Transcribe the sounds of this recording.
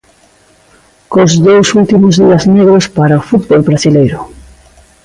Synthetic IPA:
kozðowsult̪imozðiɐzneɣɾospaɾaofut̪bolβɾasilejɾʊ

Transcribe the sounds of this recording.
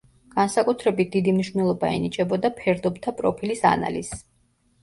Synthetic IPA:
ɡ̥ansakʼut̪ʰɾɛbit̪̚d̪̥id̪imniʃvnɛlˠɔbaɛ̰nit͡ʃʼɛbɔd̪apʰɛɾd̪ɔb̚t̪ʰapʼɾɔpʰilisa̰na̰lis

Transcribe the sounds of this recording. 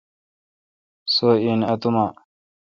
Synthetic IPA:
soːiːnɐt̪umaː

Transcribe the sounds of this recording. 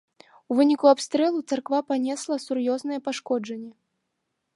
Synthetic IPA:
uvɨnʲikuapst̪ɾɛlˠut̪sarkvapanʲɛslˠɐsurjɔznɐjɛpaʂkɔd͡ʐɐnʲːɛ

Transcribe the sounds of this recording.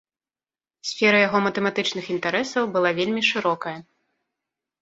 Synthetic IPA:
sʲfʲɛɾɐjaɣɔmɐt̪ɛmat̪ɨt͡ʂnɨxint̪aɾɛsɐwbɨlˠavʲelʲmʲiʂɨɾɔkɐjɐ

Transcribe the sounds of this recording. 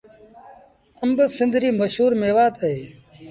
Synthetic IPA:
əmbəsɪ̃nd̪ʱɾiːməʃɦuːɾmeːʋaːt̪ʰəɦeː

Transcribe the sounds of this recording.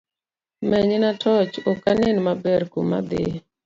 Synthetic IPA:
mɛɲenatʰɔt͡ʃokanɪnmabɛɾkuma̰d̪ɪ̰

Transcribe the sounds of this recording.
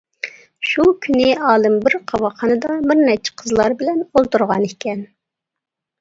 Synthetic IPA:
ʃukʲʰynɪɑːlˠɨmbɪɾqʰɑwɑχɑnɨd̪ɑbɪɾnɛt͡ʃʰɪ̥qʰəzlˠɑɾbɪlɛnolˠt̪uɾʁɑnekʲʰɛn

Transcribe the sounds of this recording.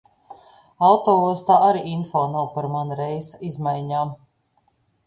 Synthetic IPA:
awt̪ɔːuɔst̪aːʔaɾiʔinfɔːnawpaɾmanɾɛjsizmajɲaːm

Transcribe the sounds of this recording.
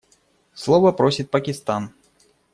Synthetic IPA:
slˠɔvɐpɾɔsʲit̪̚ʲpɐkʲist̪an

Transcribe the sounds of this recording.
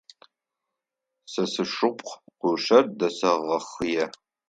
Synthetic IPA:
sɐsɨʂʊpʼqqʷʊʂɐrdɐsɐʁɐχjɛ

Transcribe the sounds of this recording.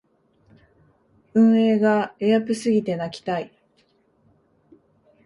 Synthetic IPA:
ɯ̟̃ɰ̃e̞ːɡae̞japɯ̟sɨɡʲit̪e̞nakʲi̥t̪ai

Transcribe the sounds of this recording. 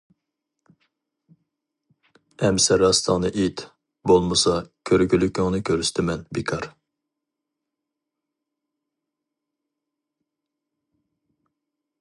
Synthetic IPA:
ɛmsɛɾɑst̪ʰɑŋnɨʔit̪ | bolˠmɨsɑkʲʰøɾkʰʲylykʲyŋnɨkʲʰøɾst̪ʰɪmɛnbikʰɑɾ

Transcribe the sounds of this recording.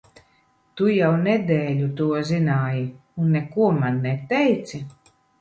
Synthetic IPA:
t̪ujawnɛd̪ɛːlʲut̪uɔzinaːjiunːekuɔmanːɛt̪ɛjt̪si

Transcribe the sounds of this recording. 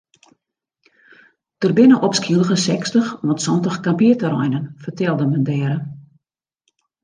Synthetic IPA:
tərbɪnəʔɔpskiəlˠəɣəsɛkstəxʋɔtsɔntəxkampiətəɾɔ̰jnənfərtɛlˠdəməndɛːɾə

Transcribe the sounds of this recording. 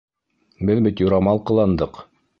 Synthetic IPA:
bɘðbit̪jŏɾɑmɑlˠqɤ̆lˠɑnd̪ɤq

